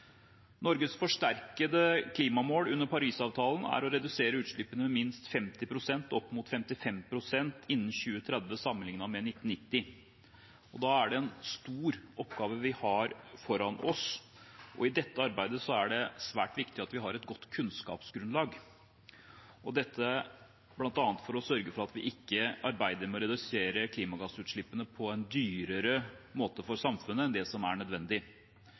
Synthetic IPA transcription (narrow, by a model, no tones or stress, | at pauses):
nɔɾɡəsfɔʂʈæɾkəd̪əkʰliːmɑmoːlʉnːəɾpʰɑɾiːsɑːʋt̪ʰɑːlnæ̰ɾɔɾɛd̪ʉseːɾəʉːt̪ʂɭʏpənəmɛmɪnst̪fɛmt̪ɪpʰɾʊsɛnt̪ɔpːmʊt̪fɛmt̪ɪfɛmpʰɾʊsɛnt̪ʰɪnːn̩çʉːət̪ʰɾɛd̪ʋəsɑmːənɪŋnɑmɛnɪt̪ːn̩nɪt̪ːɪ | ɔd̪ɑːæɖɛɛnst̪uːɾʔɔpːɡɑːʋəʋɪhɑɾfɔɾɑnɔs | ʔɔ̰ɪd̪ɛt̪ːəɑɾbæɪd̪əsɔæɖɛsʋæːʈʋɪkt̪ɪɑt̪ʋɪɦɑɾɛt̪ɡɔt̪ːkʰʉnskɑ̰ːpsɡɾʉnlɑːɡ | ɔd̪ɛt̪ʰːə | b̥lɑnt̪ɑːnət̪fɔɾɔsœɾɡəfɔɾɑt̪ʋɪʔɪkːəɑɾbæɪd̪əɾmɔɾɛd̪ʉseːɾəkʰliːmɑɡɑsʉːt̪ʂɭɪpːənəpʰɔɛnd̪yːɾəɾəmoːt̪əfɔɾsɑmfʉnəɛnd̪ɛsɔmæɳœd̪ʋɛnd̪ɪ